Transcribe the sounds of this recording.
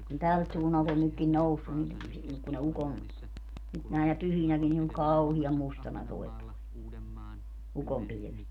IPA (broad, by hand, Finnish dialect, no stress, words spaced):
kun tælt suːnːɑlt on nykːin nousːun ni si ku ne ukom nyt næˑenæ pyhinækin ni oŋ kɑuhiɑm mustɑnɑ toi̯ ukompilĭʋet